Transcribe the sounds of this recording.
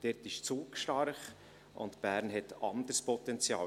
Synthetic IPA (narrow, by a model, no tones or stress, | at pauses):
d̥ɛtɪʃt͡suːkʃtɑrχ | ʔʊ̰ntb̥æːɾnɦɛtɑnd̪əɾspʰɔt̪ɛnt͡sjɑː